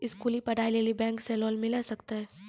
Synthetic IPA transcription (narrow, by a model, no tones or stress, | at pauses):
ɪskuːlipɐɽaːileːlibɛ̃ːŋkselɔːlmɪlasɐkt̪aɦɛː